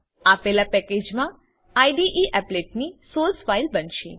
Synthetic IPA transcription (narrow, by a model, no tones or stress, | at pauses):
apɛlapɛked͡ʒmã | aiɖiʔiʔɛpleʈ̚nisolsfailbənʃḛ